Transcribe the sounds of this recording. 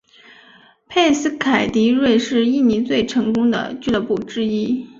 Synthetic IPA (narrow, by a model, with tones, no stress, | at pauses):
pʰe˥˧ɪsɹ̩˥kʰa˨˩ɪt̪i˧˥ɻwe˥˧ɪʂɻ̩˥˧i˥˩ni˧˥t͡swe˥˩ɪʈ͡ʂʰɤ˧˥ŋkʊ˥ŋd̪ə̰˨t͡ɕy˥˧lə˧˩pu˥˩ʈ͡ʂɻ̩˥i˥